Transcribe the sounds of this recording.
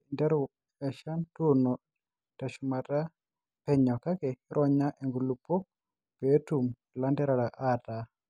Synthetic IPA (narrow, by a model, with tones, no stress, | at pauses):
i˨ndɛ˦ɾʊ˨ | ɛ˨ʃa˦ntuno˨ | ta˨ʃu˨ma˨ta˦ | pɛ˨ɲɔ˨ka˦ke˨ɾʔɔ˦ɲa˦ʔe˨ŋɡu˨lu˨po˦k̚ | pe˨˦tu˨m | la˦ndɛ˦ɾa˨ɾa˨ʔa˦ta˨